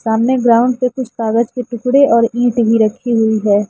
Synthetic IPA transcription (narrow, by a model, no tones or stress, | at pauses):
saːmneɡɾaːʊ̃ɳɖsekʊt͡ʃʰkaːɡəd͡ʒkeʈʊkɽeɔːɾĩːʈbʱiɾɐkʰːiɦʊiɦɛː